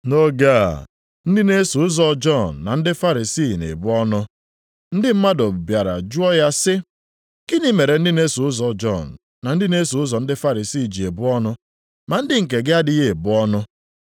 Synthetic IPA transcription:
no˦ɡa˦˨ | n̩˦dɪ˦ne˦su˨ʊ˦zɔ˦d͡ʒɔ˦˨n̩ː˨a˨n̩˦dɪ˦fa˦ɾi˨si˦˨nḛ˨bʊ˦ɔ˦nʊ˦ | n̩˦dɪ˦m̩˦ma˦do˨bbja˨ɾa̰˨d͡ʒu˦ɔ˦ja˦sɪ˦ | ki˦ni˦me˨ɾe˨n̩˦dɪ˦ne˦su˨ʊ˦zɔ˨d͡ʒɔ˦˨n̩ː˨a˨n̩˦dɪ˦ne˦su˨˦ʊ˦zɔ˨n̩˦dɪ˦fa˦ɾi˨si˦˨d͡ʒi˨e˨bʊ˦ɔ˦nʊ˦ | ma˨n̩˦dɪ˦ŋ̩˨k̬e˨ɡɪ˦a˦dɪ˦ɣe˦e˨bʊ˦ɔ˦nʊ˦

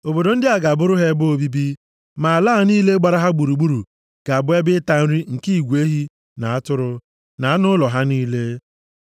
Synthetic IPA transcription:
o˨bo˨do˨n̩˦dɪ˦a˨ɡa˨a˨bʊ˦ɾʊ˦ɦe˦bo˦bi˦bi˦ | ma˨a˨la˦a˨niː˦le˦ɡ͡ba˨ɾa˦ɦa˦ɡ͡bu˨ɾu˨ɡ͡bu˦ɾu˨ | ka˨bʊ˦e˦bɪ˦ta˨n̩˦ɾi˦ŋ̩˨ki˦i˨ɡʷe˦ɦi˦ | na˨a˦tʊ˦ɾʊ˦ | na˨˦nʊ˦lɔ˨ɦa˦niː˦le˦

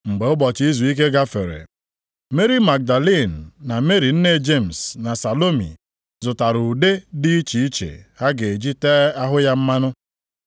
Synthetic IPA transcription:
ŋ͡m̩˨ɡ͡be˨˦ʊ˦bɔ˨t͡ʃi˦i˦zu˨i˦k̬e˦ɡa˦fḛ˨ɾḛ˨ | me˦ɾi˦ma˨k̚da˨li˦˨n̩ː˨a˨me˦ɾi˨n̩˦ne˦˨d͡ʒe˦˨m̩˨sna˨sa˨lo˦mḭ˨ | zʊ˨ta˨ɾu˨de˦dɪ˦i˦t͡ʃi˨i˦t͡ʃḛ˨ha˦ɡe˨e˨d͡ʒi˦te˦a˦ɦʊ˦ja˦m̩˦ma˦nʊ˦

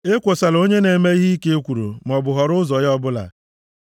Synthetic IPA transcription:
e˦kʷo˨sa˨lo˦ɲe˦ne˨me˦i˦ɦi˦i˦ke˦kʷu˨ɾṵ˨m˨ɔ˨bʊ˨ɦɔ˨ɾʊ˦zɔ˨jɔ˦bʊ˦la̰˨

